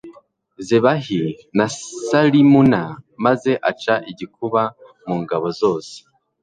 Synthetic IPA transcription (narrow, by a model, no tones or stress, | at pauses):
zeβaɦi | nasalimunamaze̞ʔat͡ʃaʔiɟikuβa | muːŋɡaβo̞zo̞ːse̥